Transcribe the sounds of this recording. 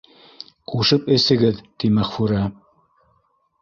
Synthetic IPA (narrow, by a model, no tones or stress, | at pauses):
quʃɤpɘ̆sɘ̆ɡɘðt̪imæχfuɾɑ